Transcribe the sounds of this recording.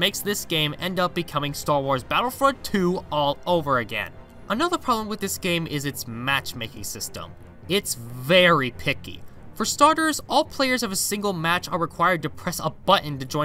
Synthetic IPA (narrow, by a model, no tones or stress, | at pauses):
meɪksðɪsɡ̥ẽɪ̃mɛ̃ndʌp̚b̥ɨkʰʌmɪ̃ŋstɑɹwɔɹzbæɾl̩ˠfɹʌd̚tʰʉɔlˠoʊvə˞ɨɡɛ̰̃n | ʔənʌðə˞pʰɹ̥ɑblə̃mwɨðɪsɡ̥ẽɪ̃mʔɪzɨtsmæt͡ʃmeɪkɪ̰̃ŋsɪstə̰̃m | ɪtsvɛɹipʰɪkḭ | fə˞stɑɹɾə˞zɔlˠpʰl̥eɪə˞zʌvɨsɪ̃ŋɡl̩ˠmæt͡ʃə˞ɹɨkʰw̥aɪə˞d̚tɨpʰɹ̥ɛsəbʌʔn̩tɨd͡ʒɔ̃ɪ̃